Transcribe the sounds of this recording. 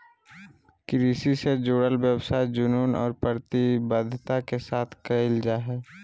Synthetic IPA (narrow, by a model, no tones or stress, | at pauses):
kɪɾiːsised͡ʒoːɽəlwjəwsaːid͡ʒʊnuːnɔ̰ːɾpɾəɾt̪ibəd̪ʱːt̪akesaːt̪ʰkɐɪld͡ʒaɦɛː